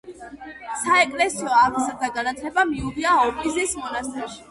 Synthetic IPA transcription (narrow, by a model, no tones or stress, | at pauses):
saɛkʼlɛsiɔavzaɾd̪aɡanat̪ʰlɛbamiuviaɔpʼizismɔnast̪ʼɛʃi̥